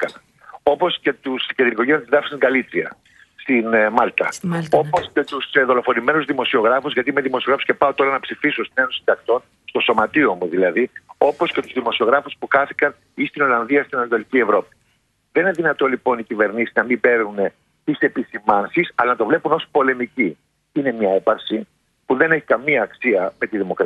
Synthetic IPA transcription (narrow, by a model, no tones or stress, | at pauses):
kɐnɐ | o̞po̞sce̞t̪uscet̪iniko̞ʝejot̪izðɐfst̪iɡɐlit̪ɾiɐ̰ | st̪inmɐlt̪ɐ̰o̞po̞sce̞t̪usðo̞lo̞fo̞nime̞nuzðimo̞sio̞ɣɾɐfuzʝɐt̪ime̞ðimo̞sioɾɐfu̥scepɐot̪o̞ɾɐnɐpsifisost̪ine̞nosid̪ɐkt̪o̞n | st̪o̞so̞mɐt̪io̞muðilɐðio̞po̞sce̞t̪uzðimo̞sio̞ɣɾɐfuspuxɐθikɐn | ist̪ino̞lɐnðiɐst̪inɐnt̪o̞licievɾo̞pi̥ | ðeineðinɐt̪o̞lipo̞nicive̞ɾnisiznɐmimbe̞ɾnune̞ | t̪ise̞pisimɐnsisɐlɐnɐt̪o̞vle̞puno̞si̥po̞le̞mici | ine̞mɲɐe̞pɐɾsi | puðe̞ne̞çi̥kɐmiɐːksiɐme̞t̪iðimo̞kɾ